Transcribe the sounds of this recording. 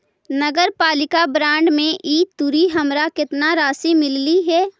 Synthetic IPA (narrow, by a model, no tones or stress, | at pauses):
nəɡəɾpaːlɪkabɾãːɳɖmẽʔiːt̪ːʊɾiɦɐmɾakɪt̪naɾaːsimɪlːiɦɛː